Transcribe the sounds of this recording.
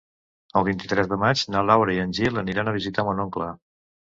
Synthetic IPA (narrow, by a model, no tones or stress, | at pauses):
əlˠβint̪it̪ɾɛzðəmad͡ʒnalawɾəiənʲʒilˠəniɾanəβ̞izit̪amonoŋklə